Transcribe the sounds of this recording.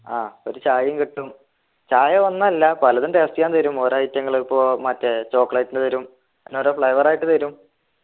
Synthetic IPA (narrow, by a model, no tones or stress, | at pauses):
aːo̞ɾut͡ɕaːjɐmkiʈːum | t͡ɕaːjɐʋɐnːɐɐlːɐpɐlɐðunt̪eːst̪ijaːnt̪ɐɾumo̞ːɾoːjitjɐŋːɐɭpːoːmɐtːet͡ɕo̞ːkːɐɭɐjtːunːɨt̪ɐɾum | enːoːɾoːfɭɐjʋɐraːjiʈːɨt̪ɐɾum